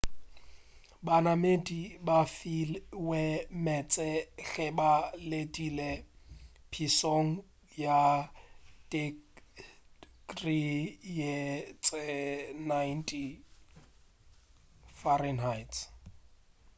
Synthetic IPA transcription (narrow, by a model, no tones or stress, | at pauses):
banamedibafilwɛmɛt͡sʼɛɬɛbaledʼile | pʰisoŋ̩ | ja | de | krijet͡sʼɛnajntʼi | fɔɾɛnɦajts